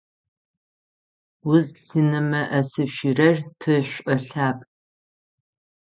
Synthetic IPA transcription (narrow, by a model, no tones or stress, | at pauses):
wʊzɬɨnɐmɐʔɐsɨʃirɐrpʰɨɕʷʼɐɬaːpʼ